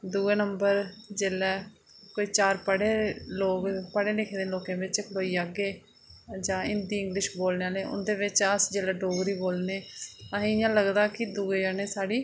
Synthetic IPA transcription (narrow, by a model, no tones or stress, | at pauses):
d̪uːeːnəmbəɾd͡ʒeːlɛː | koːiːt͡ʃaːɾpəɽeːloːkpəɽeːlɪkʰeːd̪eːloːkẽːbɪt͡ʃkʰloːiːaːɡeː | d͡ʒãːɪnd̪iːɪ̃ŋɡlɪʃboːlneːaːleːʔʊ̰nd̪eːʋɪt͡ʃəsd͡ʒeːlɛːɖoːɡɾiːboːlneːəɦẽːɪjãːləɡd̪aːkɪd̪uːeːd͡ʒaːneːsaːɽiː